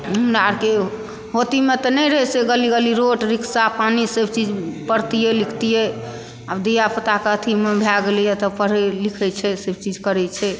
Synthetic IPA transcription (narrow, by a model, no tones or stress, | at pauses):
umɾaɾke | ɦot̪imet̪ɔnɛɾəɦɛseɡəliɡəliɾoʈɾikʰsapanisebʱt͡ʃid͡ʒpəɽt̪ijɛlikʰt̪ijɛ | abd̪ijapət̪akət̪ʰimebʱaɡelijɛt̪ɔpəɾɛlikʰɛt͡ʃʰɛsebʱt͡ʃid͡ʒʱkəɾɛt͡ʃʰɛ